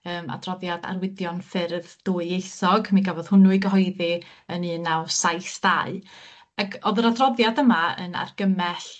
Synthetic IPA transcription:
əːma̰drɔðjada̰rwɪdjɔnfɪrðd̥uːɨejsɔɡmiɡavɔð̥hʊnuɨɡəɦɔɨði | ənɨːnawsajsd̥aɨ | aɡɔðəɾadrɔðjadəmaə̰na̰rɡ̥əmɛɬ

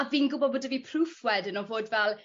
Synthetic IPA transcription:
aviːnɡʊbɔbodəviːpʰrufwɛdənɔvoːdvɛlˠ

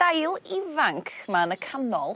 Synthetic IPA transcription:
dajlˠɪvaŋkʰmanəkʰanɔlˠ

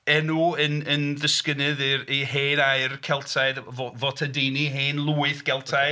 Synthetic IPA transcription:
ɛnuənənðəskənɨðiriheːnajrkʰɛlˠtʰajdvovotʰədiniɦeːnlˠuːɨθɡ̥ɛlˠtʰa

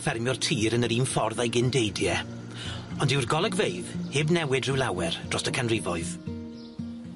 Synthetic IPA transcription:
fɛrmjɔr̥tʰiːɾənəɾiːnfɔrðajɡɪndejdjɛ | ɔndɪwrɡɔlˠəɡvejðhɪbnɛwɪdrɪwlˠawɛrd̥rɔstəkʰanrɪvɔɨð̥

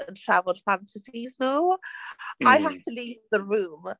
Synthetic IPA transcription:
ə̃ntʰɹ̥avl̩ˠd̥fãntʰəsiznuː | aɪɦaftʰəliːvðəɹũːm

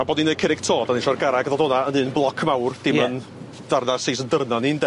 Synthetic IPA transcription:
aboɔːdninekʰɪɾɪɡ̥tʰoːdaniʃɔrɡaɾaɡðɔdɔnaənɨːnblˠɔkʰmawrd̥ɪmən | d̥arnasejsəndərnaniːnde

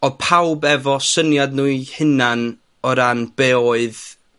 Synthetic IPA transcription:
ɔpʰawbɛvɔsənjadnuɨhɪnan | ɔɾanb̥eɔɨð

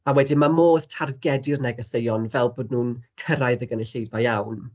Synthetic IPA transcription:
awɛdimamoːðtʰarɡɛdɪrnɛɡɔsejɔnvɛlˠboːdnuːnkʰəɾajðəɡənəɬejbajawn

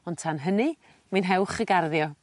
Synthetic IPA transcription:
ɔntʰanɦənɨ | manɦɛwχəɡarðjɔ

